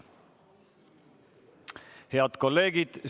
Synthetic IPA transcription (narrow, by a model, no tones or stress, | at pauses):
he̞ɑd̪ko̞lːe̞ːɡ̥id̪̥